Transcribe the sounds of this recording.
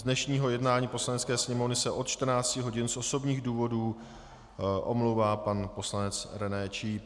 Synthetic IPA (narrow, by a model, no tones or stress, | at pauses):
zdnɛʃɲiːɦo̞jɛdnaːɲiːpo̞slanɛt͡skɛːsɲɛmo̞vnɪsɛʔo̞t̪̚t͡ʃt̪r̩naːt͡scɪɦo̞ɟɪnsʔo̞so̞bɲiːɣduːvo̞duː | ʔomlowvaːpanpo̞slanɛt͡sɾɛnɛːt͡ʃi